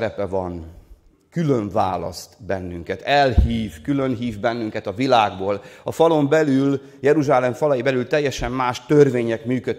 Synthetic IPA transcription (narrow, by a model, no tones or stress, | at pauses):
ɾɛpɛvɒn | kyløɱva̰ːlɒ̰st̪bɛnːyŋkɛt̪ɛlhiːvkylø̞nɦiːvbɛnːyŋkɛt̪ɒvilaːɡboːlɒfɒlo̞mbɛlyl | jɛɾuʒaːlɛɱfɒlɒjibɛlylt̪ɛjːɛʃɛmːaːʃt̪ørveːɲɛkmyːkø